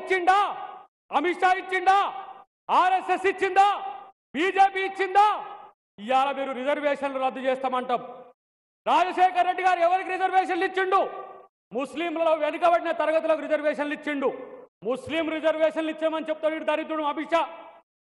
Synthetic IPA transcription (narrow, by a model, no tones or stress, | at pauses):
t͡ʃːind̪aː | ɐmiʈʂaːit͡ʃːind̪aː | aːɾesesit͡ʃːind̪aː | biːd͡ʒeːpiːt͡ʃːind̪aː | ijaːlɐmiːɾuɾid͡ʒɐɾʋɛːʂɐnluɾɐd̪ːɐt͡ʃɛːst̪aːmɐɳʈɐːmu | ɾaːd͡ʒɐʃɛːkɐɾːe̞ɖːiɡaːɾuɛʋɐɾik̬iɾid͡ʒɐɾʋɛːʂɐnlit͡ʃːiɳɖu | muslimlɐlo̞ːʋenikɐbɐɽinɐt̪ɐɾɐɡɐt̪̬ulok̬uɾid͡ʒɐɾʋɛːʂɐnlit͡ʃːiɳɖumusliːmɾid͡ʒɐɾʋɛːʂɐnlit͡ʃːeːmɐnit͡ʃep̚ːut̪ɐɐiːɽit̪ɐɾit̪ɾuɽumɐmiʈʂaː